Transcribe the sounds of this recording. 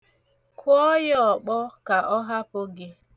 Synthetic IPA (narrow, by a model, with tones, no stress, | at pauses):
kʊ˦ɔ˦jɔ˨k͡pɔ˦ka˨ʔɔ˦ɦa˦pʊ˦ɡɪ˦